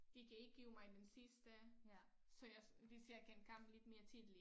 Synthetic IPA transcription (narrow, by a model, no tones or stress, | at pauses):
ɡ̥ikʰæe̝ɡ̥̚ɡ̥iʊmɑ̈ɪd̥ensisd̥ə | sɒ̽jaʋisjɑ̈ɪkʰen̥̚kʰɑ̈m̰b̥le̝d̥me̝ːɐt͡sʰiðˠli